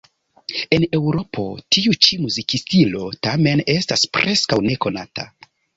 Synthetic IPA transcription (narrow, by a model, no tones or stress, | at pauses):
e̞ne̞wɾo̞pʰo̞̰tiut͡ʃimuzikistilo̞tame̞ne̞staspɾʔe̞skawne̞ko̞nata̰